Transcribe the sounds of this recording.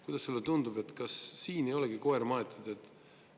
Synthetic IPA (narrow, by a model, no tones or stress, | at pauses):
kujd̪ɑsselːet̪und̪ube̞t̪kɑsːiːnejo̞lɛɡiko̞ermɑet̪ːˑud̪̥e̞t̪ːˑ